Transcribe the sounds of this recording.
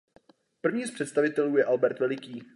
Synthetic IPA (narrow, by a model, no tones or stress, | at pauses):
pr̩vɲiːspr̝̥ɛt̪st̪avɪt̪ɛluːjɛʔalbɛɾt̪vɛlɪkiː